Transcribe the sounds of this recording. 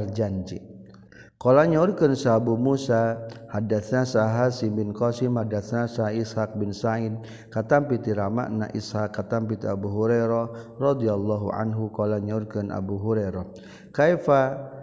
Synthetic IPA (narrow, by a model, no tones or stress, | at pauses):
rd͡ʒaɲd͡ʒḭʔ | kɔlaɲaurkənsabumusahadaθnasaɦasimbɪnkɔsɪmhadaθnasaɦaishak̚bɪnsaid̚ | kat̪ampit̪iɾama̰ʔna̰ʔḭshakːat̪ampit̪iabuɦuɾaɾɔrɔd̪ialːɔɦṵʕa̰nɦukɔlaɲaurkənʔa̰buɦuɾaɾɔ | kajfa